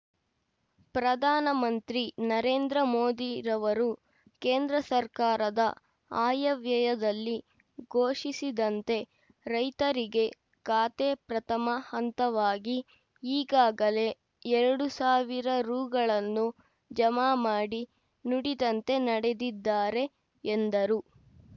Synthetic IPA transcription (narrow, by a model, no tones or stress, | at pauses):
pɾɐd̪ʱaːnɐmɐnt̪ɾinɐɾe̞ːnd̪ɾɐmoːd̪iɾɐʋɐɾu | ke̞ːnd̪ɾɐsɐɾkaːɾɐd̪ɐ | aːjɐʋjɐjɐd̪ɐlːi | ɡʱoːʂisid̪ɐnt̪e̞ | ɾɐjt̪ɐɾiɡe̞ | kaːt̪eːpɾɐt̪ʰɐmɐhɐnt̪ɐʋaːɡi | iːɡaːɡɐle̞ | ɛɾɐɽusaːʋiɾɐɾuːɡɐɭɐnːu | d͡ʒɐmaːmaːɽi | nuɽid̪ɐnt̪e̞nɐɽe̞d̪id̪ːaːɾe̞ː | nd̪ɐɾu